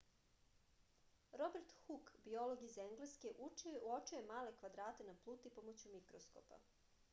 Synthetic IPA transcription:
ɾo̞beɾt̪xukbiolˠoɡizeŋɡleske̞ʔuot͡ʃujemaːle̞kʋad̪ɾaːt̪e̞naplˠuːt̪ipomot͡ɕumikɾosko̰pa̰

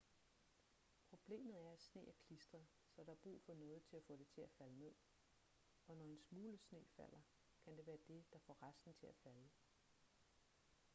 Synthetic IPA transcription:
pʰʁo̝b̥le̝̰ːmð̞̩ˠæɐæ̥sne̝̰ːæɐkʰlisd̥ʁɐ | sɒ̽ɾ̥ɑ̈æɐb̥ʁṵːfɒ̽nɔ̽ːð̞̩ˠt͡sʰe̝læfɔ̽d̥e̝t͡sʰe̝læfæləmeð̰ˠ | ɒ̽nɒ̽e̝nsmuːləsne̝̰ːfæl̰ɐ | kʰænd̥e̝ʋæːɐd̥e̝d̥ɑ̈fɒ̰ʁasd̥n̩t͡sʰe̝læfælə

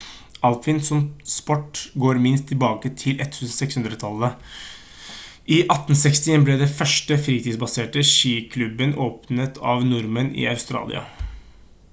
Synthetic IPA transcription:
ɑlffɪnsɔmspɔʈːɡoːɾmɪnst̪ʰːɪlbɑːkət̪ʰɪlʔɛt̪ːhʉːsn̩sɛkshʉnd̪ɾət̪ʰɑlːə | ʔiʔɑt̪ːn̩sɛkst̪ɪɛblɛːd̪ɛfœʂʈəfɾiːt̪iːsbɑseːʈəʃiːkʰlʉbənoːpnət̪ʰɑ̰ʋnʊɾmənɪ̰ːɑʉst̪ɾɑ̰ːlɪ̰ɑ̰

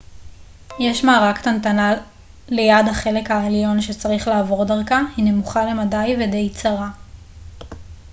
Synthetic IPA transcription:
jeʃmaːʁakt̪ant̪ana | lejadhaχe̞le̞khaeljo̞nʃe̞t͡saʁiχlaːvo̞ʁdaʁkahinemuχale̞madajvede̞jt͡saʁa

